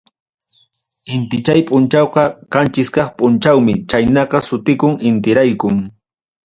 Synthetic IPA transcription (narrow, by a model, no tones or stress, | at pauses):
ɪnt̪ɪt͡ʃajpʼʊnt͡ʃɑwqɑkant͡ʃɪskɑχpʼʊnt͡ʃawmɪt͡ʃajnɑqɑsʊt̪ɪkʊŋɪnt̪ɪɾajkʊŋ